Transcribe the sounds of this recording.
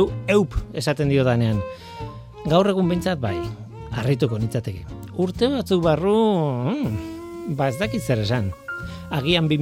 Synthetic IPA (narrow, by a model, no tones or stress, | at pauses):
ue̞wpe̞sat̪e̞nd̪io̞ðane̞aŋ | ɡawre̞ɣ̞umbe̞jnt͡sat̪̚baj | arit̪uko̞nit͡sat̪e̞keuɾt̪e̞βat͡sukβaru | bae̞zt̪akit̪se̞ɾe̞san | aɣ̞iambi